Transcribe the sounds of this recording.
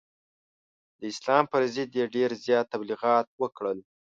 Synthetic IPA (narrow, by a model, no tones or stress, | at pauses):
d̪əɪslɑmpəɾzɪd̪jeɖeɾzjɑt̪ːabliɣɑt̪̚wəkɽəl